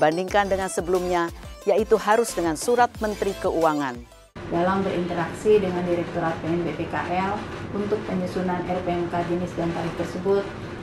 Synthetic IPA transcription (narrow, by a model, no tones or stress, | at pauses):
bandiŋkandəŋansəbəlumɲajait̪uhaɾʊsdəŋansuɾat̪̚mənt̪ɾikəʔuaŋan | dalambəɾint̪əɾaksidəŋandiɾɛk̚t̪oɾapeɛnbepeka̰ʔɛlunt̪ʊk̚pəɲusunanʔɛrpeɛnkad͡ʒənɪsdant̪alɪht̪ərsəbʊt̪̚